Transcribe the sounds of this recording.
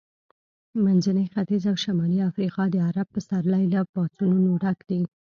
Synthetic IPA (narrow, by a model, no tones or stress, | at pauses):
manzanəjxat̪izawʃamɑliafɾiqɑd̪əaɾab̚pəsaɾlajlapɑt͡sununoɖakd̪i